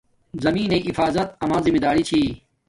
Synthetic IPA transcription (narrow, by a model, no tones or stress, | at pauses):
zɐmĩːnẽːʔifaːzɐt̪̚ɐmãːzimid̪aːɾit͡ɕʰiː